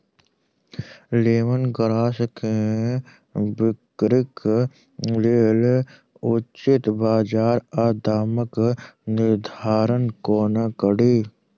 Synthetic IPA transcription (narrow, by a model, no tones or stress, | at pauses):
leːʋənɡəɾaːsəkʰe | bɪkɾɪk | lel | ʊt͡ʃɪt̪baːd͡ʒaːɾaːd̪aːməknɪɾd̪ʱaːɾənkoːnakəɽiː